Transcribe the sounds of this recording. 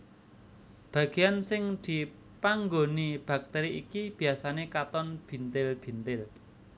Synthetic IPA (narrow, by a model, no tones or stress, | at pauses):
b̥ä̤ɡ̥e̤jansɪŋd̪̥i̤ | paŋɡonib̥a̤k̚t̪ɛɾiʔikib̥i̤asanekat̪ɔnb̥i̤nt̪ɪlb̥i̤nt̪ɪl